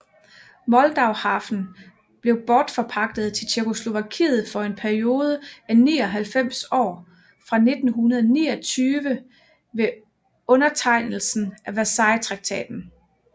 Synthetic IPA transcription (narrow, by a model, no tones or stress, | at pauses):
mɒ̽ld̥ɑ̈ʊhɑ̈fn̩ | b̥le̝ʊb̥ɒːd̥fɒ̽pʰɑ̈ɡ̥̚d̥ð̩ˠt͡sʰe̝lt͡ɕʰekʰo̝slo̝ʋækʰḭːð̞̩ˠfɒ̽e̝npʰæɐio̝ːð̞ˠəæniːɒ̽ɦælfem̰sɒ̰ː | fʁɑ̈ne̝d̥n̩ɦunɐðˠnḭːɐt͡sʰyːʋə | ʋe̝ | ɔ̽nɐt͡sʰɑ̈ɪ̰nl̩sn̩ʔæʋæsɑ̈ɪt͡sʰʁɑ̈ɡ̥̚t͡sʰɛ̰ːd̥n̩